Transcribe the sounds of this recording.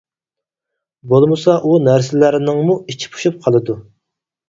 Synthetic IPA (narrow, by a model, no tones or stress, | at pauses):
bolˠmɨsɑʔunæɾsɪlæɾnɪŋmuit͡ʃʰi̥pʰu̥ʃup̚qʰɑlˠɨd̪u